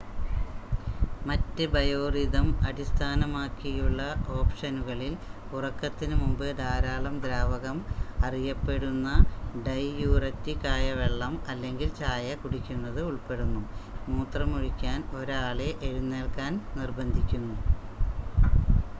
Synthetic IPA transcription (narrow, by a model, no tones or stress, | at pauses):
mɐtːɨbɐjoːriðɐmɐɽist̪ʰaːnɐmaːkːijuɭːɐo̞ːpʂɐnuɣɐɭil | urɐkːɐt̪ːinɨmumbɨd̪ʱaːɾaːɭɐmd̪ɾaːʋɐɣɐmɐrijɐpːe̞ɽunːɐɖɐjjuːrɐtːikːaːjɐʋeɭːɐmɐlːe̞ŋɡilt͡ɕaːjɐkuɽikʲːunːɐðɨuɭpe̞ɽunːunuːt̪rɐmuɻikʲːaːno̞ɾaːɭeʔeɻunːeːɭkaːnnirbɐnd̪ʱikʲːunːu